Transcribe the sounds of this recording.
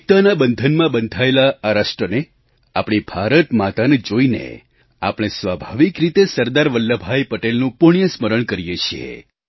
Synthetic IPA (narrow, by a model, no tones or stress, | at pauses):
t̪anabənd̪ʱənmãbənd̪ʱaelaːɾaʃʈɾəne | apɽ̃ibʱaɾət̪mat̪aned͡ʒoinḛ | a̰pɽ̃esʋabʱaʋikɾit̪esəɾd̪aɾʋəlːəbʱajpəʈelnũpʊɳ̃ijəsməɾəɳkəɾijet͡ʃʰiḛ